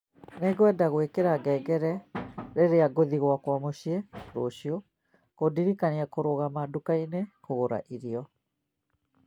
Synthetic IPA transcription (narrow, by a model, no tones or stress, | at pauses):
neɡwɛdaɣwekeɾaɡɛːɡɛɾɛɾeɾeaɡoðiɣwakwamoɕieɾoɕio | kodiɾikaniakoɾoɣamadukainehoɣoɾa̰ʔiɾiɔ